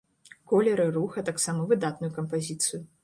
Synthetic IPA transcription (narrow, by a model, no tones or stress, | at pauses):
kɔlʲɛɾɨruxɐt̪aksamɐvɨd̪at̪nujukɐmpazʲit̪sɨju